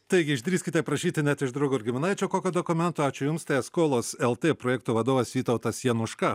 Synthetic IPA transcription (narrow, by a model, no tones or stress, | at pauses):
t̪ɐɪɡʲɪɪʒʲd̪ʲɾʲiːskʲɪt̪ʲɛpɾɐʃʲiːt̪ʲɪnʲɛt̪ɪʒd̪ɾɐʊɡʊɪɾʲɡʲɪmʲɪnɐɪt͡ʃʲoːkoːkʲoːd̪oːkʊmʲɛnt̪oːɑːt͡ʃʲʊjʊmst̪ɛɪɛskoːlˠoːsɛlˠt̪ʲeːpɾoːjɛːkt̪uːʋɐd̪oːʋɐsʋʲiːt̪ɐʊt̪ɐsjɛnʊʃkɐ